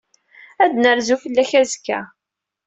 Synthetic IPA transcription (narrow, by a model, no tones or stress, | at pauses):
æd̪nəɾzufəlːæçæzkːæ̰